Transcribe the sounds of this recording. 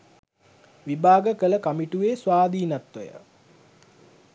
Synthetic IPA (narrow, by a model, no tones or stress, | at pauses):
ʋibaːɡəkələkamiʈuʋeːsʋaːd̪iːnat̪ʋəjə̰